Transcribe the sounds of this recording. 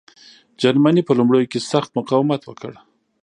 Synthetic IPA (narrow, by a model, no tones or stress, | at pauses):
d͡ʒaɾmanipəlumɽəjokesaxt̪mʊqɑwɪmat̪wəkʰə̰ɽ